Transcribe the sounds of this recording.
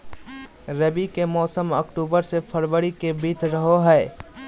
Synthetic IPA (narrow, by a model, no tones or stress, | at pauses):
ɾɐbikemɔːsəmɐkʈuːbəɾsepʰɐɾwəɽikebiːt̪ʰɾɐɦoɦɛː